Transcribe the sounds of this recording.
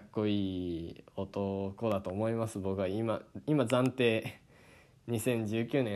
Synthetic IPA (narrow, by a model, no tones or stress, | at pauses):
kːo̞iː | o̞t̪o̞ko̞d̪at̪o̞ːmo̞imasɨbo̞kɯ̟βaimaimazãnt̪e̞ː | ɲ̟isẽ̞ɲ̟d͡ʑɨːkʲɨːnẽ